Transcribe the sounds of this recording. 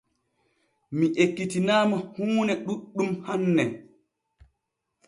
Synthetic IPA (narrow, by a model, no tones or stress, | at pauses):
miʔekːitinaːmahuːnɛɗuɗːumhanːɛ